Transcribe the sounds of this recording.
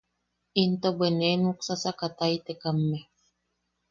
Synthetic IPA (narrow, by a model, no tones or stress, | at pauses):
int̪obenenuksasakat̪ait̪ekamːe